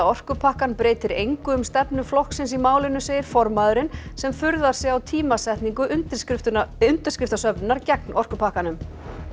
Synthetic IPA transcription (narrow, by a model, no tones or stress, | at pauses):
aɔr̥kʏpʰahkanpɾeːjt̪ɪɾejŋkʏʏmst̪ɛpnʏflɔhksɪnsimaːwlɪnʏseːjɪɾ̥fɔɾmaðʏɾɪnsɛmfʏɾðaɾ̥sɛɣawt̪ʰiːmasɛht̪niŋkʏʔʏnt̪ | ʏnt̪ʏ̥skɾɪft̪asœpnʏnaɾcɛknʔɔr̥kʏpʰahkanʏm